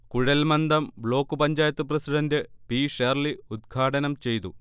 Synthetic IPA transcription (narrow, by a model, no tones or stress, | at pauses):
kuɻɐlmɐnd̪ɐmbɭo̞ːkːupɐɲd͡ʑaːjɐt̪ːuprɐsiɖɐndepiːʂerliud̪ɡʰʱaːʈɐnɐmt͡ɕe̞jt̪u